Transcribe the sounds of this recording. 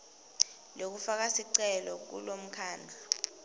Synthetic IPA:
lok̬ufak̬asiǀɛlɔk̬ṵlom̩kʰaːnd͡ɮʱa

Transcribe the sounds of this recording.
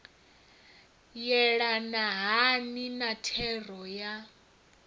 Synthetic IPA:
jɛɺanaɦaninatʰɛrɔja

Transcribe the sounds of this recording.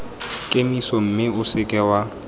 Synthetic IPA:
kʼemisɔm̩mɪʊsɪkʼɛwa

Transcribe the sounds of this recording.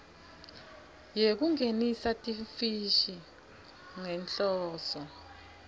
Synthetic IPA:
jek̬uŋenisatʼifiʃi | ŋɛnt͡ɬɔːsɔ

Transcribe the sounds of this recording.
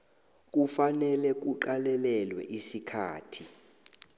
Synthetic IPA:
k̬ʼufanɛlɛk̬uǃalɛlɛlwɛ̰ʔisikʰaːtʰi

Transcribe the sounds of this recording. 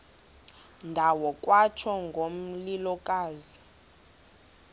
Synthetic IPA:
ndʱawɔkʼwat͡ʃʰɔŋɡʱom̩lilɔkʼaːzi

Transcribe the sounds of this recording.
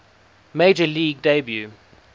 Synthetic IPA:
meɪd͡ʒəliːɡ̚debju

